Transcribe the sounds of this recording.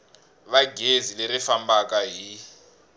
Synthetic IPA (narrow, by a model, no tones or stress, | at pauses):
βaɡʱezileɾifambakaɦi